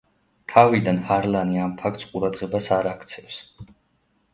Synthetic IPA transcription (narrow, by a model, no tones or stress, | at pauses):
t̪ʰavid̪anhaɾlaniampʰak̚ʰt̪sqʼuɾad̪ʁɛbasaɾakʰt̪sʰɛfs